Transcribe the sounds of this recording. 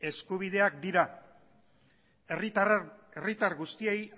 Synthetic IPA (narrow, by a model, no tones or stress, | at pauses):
e̞skuβ̞ið̞e̞ak̚d̪iɾa | erit̪aɾɣust̪ie̞j